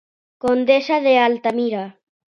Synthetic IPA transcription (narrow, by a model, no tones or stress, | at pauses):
kond̪esaðealt̪amiɾa